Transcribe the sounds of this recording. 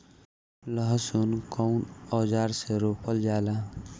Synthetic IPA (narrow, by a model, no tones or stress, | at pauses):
ləɦsunkɔʊnɔd͡ʒaːɾseɾopəld͡ʒala